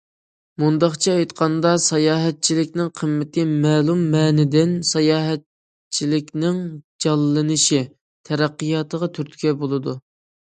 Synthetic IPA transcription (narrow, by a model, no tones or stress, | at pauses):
mund̪ɑχt͡ʃʰɛɑjt̪qʰɑnd̪ɑsɑjɑːɦɛt̪̚t͡ʃʰilɪkʲnɪŋqʰəmːɪt̪ʰɪmɛːlˠumːɛːnɪd̪ɪnsɑjɑːɦɛt̪̚ | t͡ʃʰilɪkʲnɪŋd͡ʒɑlˠːɨnɨʃi | t̪ʰɛɾæqːɨjɑt̪ʰəʁɑt̪ʰyɾt̪ʰkʲɛbolˠɨd̪u